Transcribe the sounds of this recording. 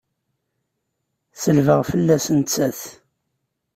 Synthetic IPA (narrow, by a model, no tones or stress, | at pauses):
θəlvəʁfəlːæsənt͡sːæθ